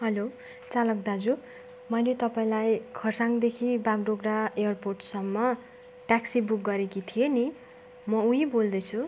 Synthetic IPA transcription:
ɦʌlo | t͡salʌk̚d̪ad͡zu | mʌjlet̪ʌpaĩlajkʰʌrsaŋd̪ekʰibaɡ̚ɖoɡraejʌrporʈsʌmːʌ | ʈaksibuk̚ɡʌɾekit̪ʰijeni | mʌuɦibold̪ʌt͡sʰu

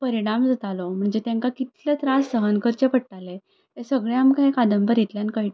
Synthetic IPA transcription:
pəɾiɽ̃amd͡zat̪alɔm̤əɳd͡ʑet̪jãŋkakit̪let̪ɾasːəɦənkəɾt͡ɕepəɽʈale | t̪esəɡɭjamkaikad̪əmbəɾit̪ljankəjʈ

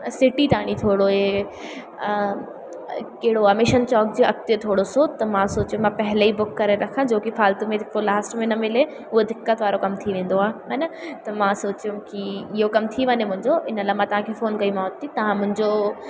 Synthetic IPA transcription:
sɪʈit̪aːɽ̃it̪ʰoːɽoɦe | kɐɦɪɽoaːmɪʃənt͡ɕɔːk̚d͡ʑeʔɐkt̪iət̪ʰoːɽosoːt̪ɐmãsoːt͡ɕijũmãpɐɦɪleibʊkːɐɾeɾɐkʰãd͡ʑoːkifaːlt̪umẽd̪ɪolaːsʈmẽnɐmɪle | ʊɦed̪ɪkːət̪ʋaːɾokɐmt̪ʰiʋẽːn̆d̪oaːɦɐnɐt̪ɐmãsoːt͡ɕjũkiɪɦokɐmt̪ʰiʋɐɲemʊ̃ɦɪ̃ɲd͡ʑoɪnəlaːɦmãt̪ɐʋ̤ãkʰefoːnkɐimãt̪ːit̪ɐʋ̤ãmʊ̃ɦɪ̃ɲd͡ʑo

